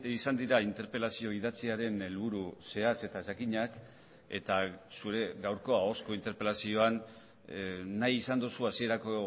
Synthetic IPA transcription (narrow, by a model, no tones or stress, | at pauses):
isand̪iɾaint̪e̞ɾpe̞lasio̞iðat͡siaɾe̞ne̞lβuɾuse̞at͡se̞t̪aesakiɲak | e̞̰t̪asuɾe̞ɡawɾko̞ao̞sko̞int̪e̞ɾpe̞lasio̞an | ajisand̪usuasie̞ɾako̞